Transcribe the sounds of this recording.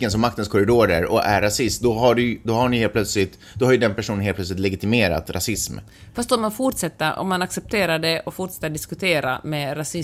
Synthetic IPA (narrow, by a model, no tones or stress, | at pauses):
ənsɔmːakt̪ənskʰɔɾɪd̪oːɾəɾɔæɾːasɪst̪d̪ɔɦaɖʉd̪ɔhaɳɪjheːlpʰlœt̪slɪt̪ | d̪̥ɔhaɾjɵd̪ɛnpʰæʂuːnəneːlpʰlœtslɪt̪lɛɡɪt̪ɪmeːɾa̰t̪ɾʔa̰sɪsm | fast̪ɔmːanfʊʈʂɛt̪ːəɾɔ̰mːanaksɛp̚t̪ʰeːɾaɖɛʔɔfʊʈʂɛ̥t̪ːaɖɪskɵt̪ʰeːɾa̰mɛɾasɪ